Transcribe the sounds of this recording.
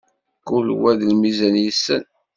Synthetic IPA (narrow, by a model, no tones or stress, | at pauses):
kulwæðlmizænjəsːən